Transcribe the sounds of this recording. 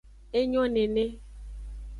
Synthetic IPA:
e˦ɲɔ̃˦ne˨ne˦

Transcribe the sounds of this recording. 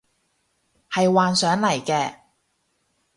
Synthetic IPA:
hɐ˨jwaː˨˧nsœː˨˥ŋlɐ˨˩jkɛː˧

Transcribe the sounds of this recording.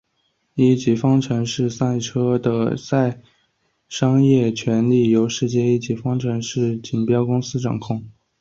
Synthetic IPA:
i˧˥˩t͡ɕi˨˩fɑ˥ŋʈ͡ʂʰɤə˧˥nʂɻ̩˥˩sa˥˩ɪ˧ʈ͡ʂʰɤ˥d̪ə˧sa˥˩ɪ | ʂɑ˥ŋjɛ˥˩t͡ɕʰɥɛ˧˥nli˥˩jo˧˥ʊʂɻ̩˥˧t͡ɕjɛ˥˧i˥˩t͡ɕi˨˩fɑ˥ŋʈ͡ʂʰɤ˧˥nʂɻ̩˥˩t͡ɕi˨˩npjɑ˥ʊkʊ˥ŋsɹ̩˥ʈ͡ʂɑ̰˨˩ŋkʰʊ˥˩ŋ

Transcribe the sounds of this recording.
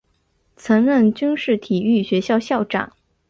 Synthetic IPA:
t͡sʰɤ˧˥ŋɻə˥˩nt͡ɕy˥nʂɻ̩˥˩t̪ʰi˨˩y˥˩ɕɥɛ˧˥ɕjɑ˥˧ʊɕjɑ˥˩ʊʈ͡ʂa̰˨˩˦ŋ

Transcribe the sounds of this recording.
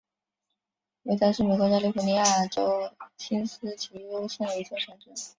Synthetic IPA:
we˧˥ɪt͡sʰa˥ʂɻ̩˥˩me˨˩ɪkwɔ˧˥ja˥li˥˩fu˧˩ni˧˥ja˥˩ə˩ʈ͡ʂo˥ʊt͡ɕʰi˥nsɹ̩˥t͡ɕʰi˧˥jo˥ʊɕɛ˥˩nd̪ə˩i˧˥t͡ɕʰɛ˥˩ʂʰa˥˩nʈ͡ʂɛ˥˦n

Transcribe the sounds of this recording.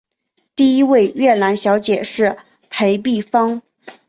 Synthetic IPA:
t̪i˥˩i˥we˥˧ɪɥɛ˥˩la˧˥nɕjɑ˧˥ʊt͡ɕjɛ˨˩ʂɻ̩˥˩ | pʰe˧˥ɪpi˥˩fɑ˥ŋ

